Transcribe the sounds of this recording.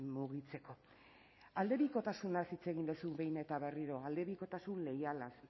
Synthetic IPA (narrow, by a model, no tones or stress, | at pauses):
muɣit͡se̞ko̞ | ald̪eβiko̞t̪asunasit͡se̞ɣ̞ind̪esuβe̞jne̞t̪aβe̞riɾo̞ald̪e̞βiko̞t̪asunle̞jalas